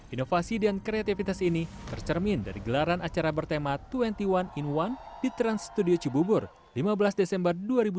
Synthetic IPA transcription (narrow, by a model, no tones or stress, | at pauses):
ʔinofasidankɾeat̪ifit̪asinit̪ərt͡ʃərminda̰ɾiɡəlaɾanat͡ʃaɾabərt̪emat̪uɛnt̪iwaninwandit̪ɾanst̪udiot͡ʃibubʊr | limabəlasdesɛmbərduaɾibu